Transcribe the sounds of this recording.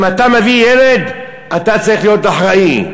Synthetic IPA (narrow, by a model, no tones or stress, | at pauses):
matamevijeled̪ | atat͡saʁiχlijo̞t̚daħʁai